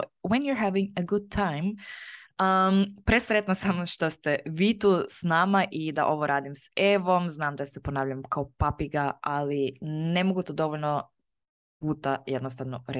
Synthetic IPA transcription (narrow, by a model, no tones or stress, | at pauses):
wɛnjuɾɦɛʋĩŋəɡud̪̚t̪ʰajm | əpɾesɾet̪nasamʃt̪ost̪eʋit̪uːsnaːmaʔid̪a̰ʔo̞ʋoɾʔaːd̪imseʋomznaːmd̪asɛponaːʋʎamkaopapiɡaalinemoɡut̪od̪o̞ʋoʎno | puːt̪ajed̪nost̪aʋnoɾe